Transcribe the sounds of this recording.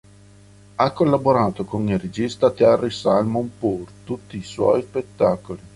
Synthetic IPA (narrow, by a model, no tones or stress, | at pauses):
akːolːaboɾaːt̪okonired͡ʒist̪at̪earisalmompurt̪ut̪ːiːswɔ̰jspet̪ːaːkoli